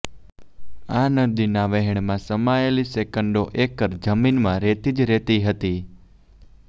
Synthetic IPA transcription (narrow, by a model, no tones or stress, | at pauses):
anəd̪inaʋɛɦɛɳ̃mãsəmajelisekəɳɖoʔekəɾd͡ʒəminmãɾet̪id͡ʒɾɛt̪iɦət̪i